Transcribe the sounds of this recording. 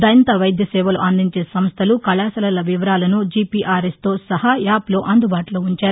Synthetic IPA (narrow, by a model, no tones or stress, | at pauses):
d̪ɐjɐnt̪ɐʋɐjd̪ʱjɐsɛːʋɐlṵʔɐnd̪iɲt͡ʃe̞ːsɐmst̪ʰɐlukɐlaːsɐlɐlɐʋiʋɐɾaːlɐnud͡ʒipiʔaːɾest̪o̞ːsɐhajaːplo̞ːʔɐnd̪ubaːʈuloːuɲt͡ʃaːɾu